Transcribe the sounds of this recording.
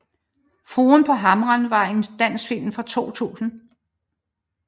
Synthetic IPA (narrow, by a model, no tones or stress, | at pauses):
fʁoːnpʰɒ̽ɦɑ̈mʁɐnʋɑɑ̈ɪe̝nd̥æn̰sfil̰mfɒt͡sʰo̝̰ːt͡sʰṵːsn̩